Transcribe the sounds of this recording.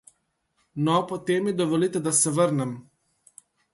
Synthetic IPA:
nɔpot̪eːmːid̪oʋolit̪ɛd̪asɛʋəɾnɛm

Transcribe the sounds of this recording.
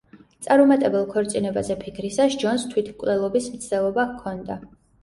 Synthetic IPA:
t̪sʼaɾɔmat̪ʼɛbɛlˠkʰɔɾt̪sʼinɛbazɛpʰikʰɾisasd͡ʒɔnst̪ʰwit̪ʰkʼvlɛlˠɔbismt̪sʰd̪̥ɛlˠɔbakʰːɔnd̪a

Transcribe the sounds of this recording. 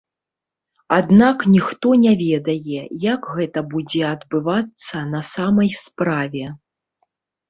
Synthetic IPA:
ad̪naknʲixt̪ɔnʲavʲɛd̪ɐjɛjakɣɛt̪ɐbud͡zʲɛɐd̪bɨvat̪sːɐnɐsamɐjspɾavʲɛ

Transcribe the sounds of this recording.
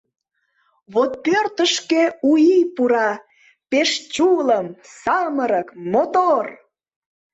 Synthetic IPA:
βot̪̚pørt̪əʃkeuipuɾɑ | peʃt͡ɕuləmsɑməɾəkmot̪or

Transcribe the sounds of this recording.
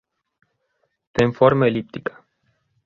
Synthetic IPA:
t̪enfo̞rməelip̚t̪i̥kə̥

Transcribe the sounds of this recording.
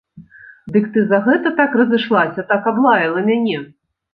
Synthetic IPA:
d̪ɨkt̪ɨzɐɣɛt̪ɐt̪akrɐzɨʂlˠasʲɐt̪akablˠajɐlˠɐmʲanʲɛ

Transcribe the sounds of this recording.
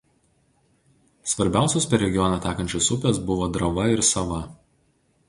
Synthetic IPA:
sʋɐɾʲbʲæˑʊsʲoːspʲɛɾʲɛɡʲɪjɔnʲɐt̪ʲɑːkɐnʲt͡ʃʲʊsʊpʲesbʊʋoːd̪ɾɐʋɐɪɾsɐʋɐ

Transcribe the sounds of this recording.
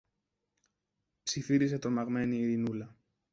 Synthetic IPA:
psifiɾise̞t̪o̞mɐɣme̞niːɾinulɐ

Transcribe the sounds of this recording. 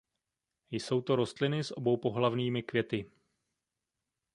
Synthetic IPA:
jso̞wt̪o̞ɾo̞st̪lɪnɪsʔo̞bo̞wpo̞ɦlavniːmɪkvjɛt̪ɪ

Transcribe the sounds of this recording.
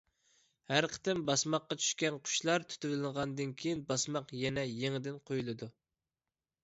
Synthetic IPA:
hæɾqʰə̥t̪ɪmbɑsmɑqːɑt͡ʃʰy̥ʃkʲɛnqʰʊ̥ʃlˠɑɾt̪ʰy̥t̪ʰɪvɪlɪŋʁɑnd̪ɨnkʲʰejinbɑsmɑqjɛnɛjeŋɪd̪ɪnqʰojulˠɨd̪u

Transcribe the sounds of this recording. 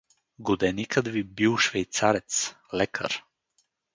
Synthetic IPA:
ɡod̪ɛnikət̪vibiwˠʃvɛjt̪saɾɛt̪s | lɛkʰə̰ɾ

